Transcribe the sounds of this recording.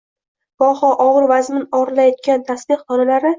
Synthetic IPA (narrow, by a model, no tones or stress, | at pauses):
b̥ɒhɒʔɒʁɨɾvazmɪnɒɾlajɒt̪̚kʲant̪ʰasbɪqːɒnalaɾɪ